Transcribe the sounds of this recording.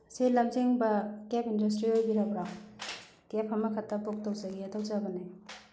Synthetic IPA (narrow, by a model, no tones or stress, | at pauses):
selɐmziŋbɐkepindus̬tɾiojbiɾabɾaŋ | kepʰɐmɐkʰɐtːɐpok̚tawzɐɡiatʰawt͡ʃabɐne